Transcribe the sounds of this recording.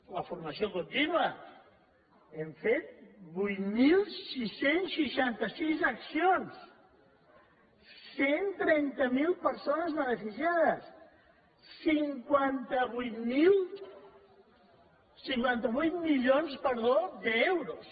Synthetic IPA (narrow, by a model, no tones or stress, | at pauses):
ləfurməsiokunt̪inuə | eɱfet̪̚bujt̪milˠsisensʃiʃant̪əsizəksions | sːent̪ɾɛnt̪əmilˠpəɾsonəzβənəfisjaðəsː | iŋkwant̪əβujt̪milˠ | siŋkwant̪əβujt̪̚miljonspəɾðod̪əewɾos